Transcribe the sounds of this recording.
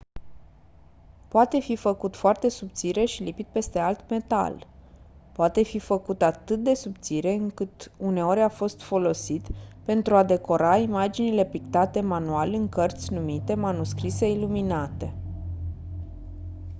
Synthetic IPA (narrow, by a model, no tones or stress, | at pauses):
poat̪e̞fifəkut̪foart̪e̞subt̪siɾe̞ʃilipit̪̚pe̞st̪e̞alt̪me̞t̪a̰l | poat̪e̞fifəkut̪at̪ɨt̪̚d̪e̞subt̪siɾe̞ɨŋkɨt̪une̞o̞ɾʲafo̞st̪fo̞lo̞sit̪pe̞nt̪ɾuad̪e̞ko̞ɾaimad͡ʒinile̞pik̚t̪at̪e̞manualɨŋkərt̪sʲnumit̪e̞manuskɾise̞iluminat̪e̞